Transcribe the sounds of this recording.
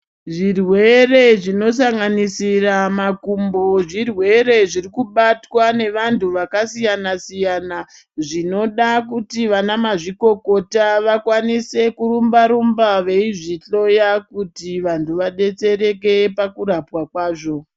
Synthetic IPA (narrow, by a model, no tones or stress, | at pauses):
ʐirwe̞re̞ʐino̞s̬aŋɡanisiramakumbo̞ʐirwe̞ɾe̞ʐirikuɓatwane̞ʋantʰuʋakasijanasijana | ʐino̞ɗak̬utiʋanamaʐiko̞ko̞taʋakwanise̞kuɾumbaɾumbaʋe̞iʐiɬo̞jakutiʋantʰuʋaɗe̞t͡se̞ɾe̞k̬e̞pakuɾapwakwaːʐo̞